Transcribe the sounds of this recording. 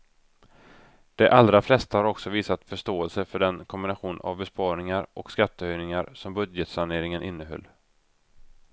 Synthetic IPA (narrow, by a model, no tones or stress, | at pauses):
d̪̥ɛʔalɾaflɛst̪ahaɾɔksɔviːsat̪fœʂtoːɛlsəfœɖɛnkʰɔmbɪnaɧuːna̰vbɛspɑːɳɪŋaɾʔɔkskat̪ːəœjnɪŋaɾsɔmbɵd̪jət̪saneːɾɪŋənʔɪnːəɦœ̰lː